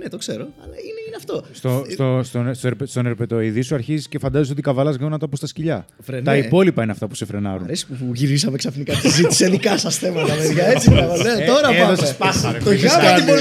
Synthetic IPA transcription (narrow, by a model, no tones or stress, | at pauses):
net̪okseɾo̞ɐlɐineineɐft̪ost̪ost̪ost̪onst̪oɾpest̪oneɾpet̪oiðisuɐɾçiziscefɐnd̪ɐzis̬o̞t̪ikɐvɐlɐzɣɐonɐt̪ɐpost̪ɐsciʎɐ | ɾt̪ɐipo̞lipɐineɐft̪ɐpu̥sefɾenɐ̰ɾṵnɾesppuʝiɾisɐmeksɐfnikɐt̪izit̪i̥seðikɐsɐsθemɐt̪ɐmeðʝɐet͡siɐɣolet̪o̞ɾɐɐðosspɐt̪oʝɐipo